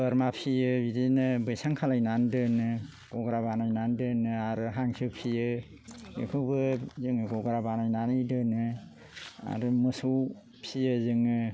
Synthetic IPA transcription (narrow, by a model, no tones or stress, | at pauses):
ɯɾmapʰijɯbidenɯbɯjsaŋkʰalajnandɯnɯ | ɡ̥ɔɡɾabanajnandɯnɯaɾɯɦaŋsɯpʰijɯ | ḛkʰɯbɯzɯŋɯɡɔɡɾabanajnanɯjdɯnɯ | a̰ɾumɯsuw | pʰijɯzɯŋɯ